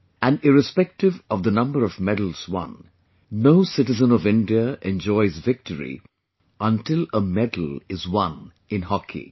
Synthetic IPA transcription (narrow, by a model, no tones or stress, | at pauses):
æ̃nɪɹɨspɛk̚tɪvɔvd̪ənʌ̃mbəɾɔvmɛdl̩ˠz̥wʌ̰̃nː | oʊsɪʈɨzə̃nɔvɪ̃ndiəʔɛ̃nd͡ʒɔɪzvɪk̚tʰəɹḭ | ʔə̃ntɪləmɛdl̩ɪzwʌ̃n | ɪ̃nhɔkʰḭ